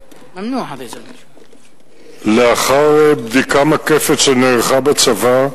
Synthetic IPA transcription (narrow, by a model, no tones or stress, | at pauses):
nu | leaχaʁbd̪ikamakefeteneʁχabat͡sava